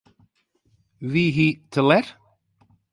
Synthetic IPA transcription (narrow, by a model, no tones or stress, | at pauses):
viːɦiːt̪ʰəlɛɾ